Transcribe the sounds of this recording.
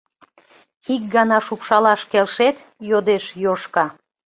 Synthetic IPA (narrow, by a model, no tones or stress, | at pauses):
ik̚ɡɑnɑʃupʃɑlɑʃkelʃet̪ | jod̪eʃjoʃkɑ